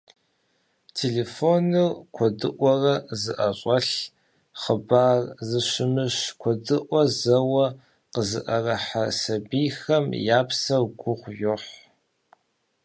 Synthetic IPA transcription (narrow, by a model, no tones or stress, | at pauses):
tʰeleːfonɨkʷʰɔdɨʔʷɔrɐzɨʔɐɕʼɐɬ | χəbaːrzɨɕɪmɨɕkʷʰɔdɨʔʷɔzɐwɐ | qəzɨ̰ʔɐrɐħasɐbijxɐmjaːpsɐɡʷʊqʷjʊħʷ